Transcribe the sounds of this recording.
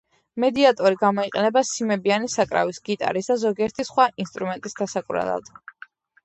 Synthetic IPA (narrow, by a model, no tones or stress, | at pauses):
mɛd̪iat̪ʼɔɾiɡamɔiqʼɛnɛbasimɛbianisakʼɾa̰visɡit̪ʼa̰ɾisd̪azɔɡiɛɾt̪ʰisχwaʔinst̪ʼɾumɛnt̪ʼisd̪asakʼuɾa̰lˠa̰d̪̥